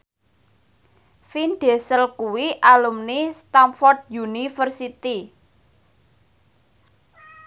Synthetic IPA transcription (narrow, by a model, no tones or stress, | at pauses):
finɖ̥esəlkuwiʔalumnist̪amfɔrd̪̚junifərsit̪i